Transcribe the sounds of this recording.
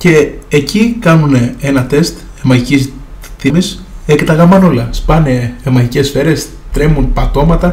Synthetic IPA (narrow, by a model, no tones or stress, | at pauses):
ce̞ːcikɐnunee̞nɐt̪e̞st̪ | emɐʝicisθimisekt̪ɐɣɐmɐno̞lɐspɐne̞ːmɐʝice̞sfe̞ɾe̞s | t̪ɾe̞munpɐt̪o̞mɐt̪ɐ